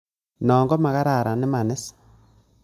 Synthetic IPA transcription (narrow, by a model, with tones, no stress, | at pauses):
nɔː˨ŋɡɔ˦ma˨ɣa˦ɾa˨ɾa˨nɪ˦ma˨nɪ˦s